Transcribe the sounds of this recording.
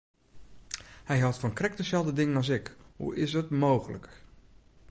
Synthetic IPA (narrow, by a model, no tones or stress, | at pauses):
hɛjɦɛlˠtfɔnkrɛk̚təsɛlˠdədɪŋənɑs̬ɪkhṵɪsətmowɣələ̰k